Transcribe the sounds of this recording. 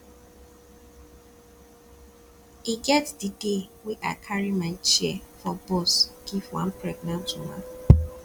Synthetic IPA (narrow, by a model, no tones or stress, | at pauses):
iɡɛtdidewɛʔakʰaɹimaɪt͡ʃɛfɔbosɡ̥ivwã̰npɹɛɡ̚nãntumã̰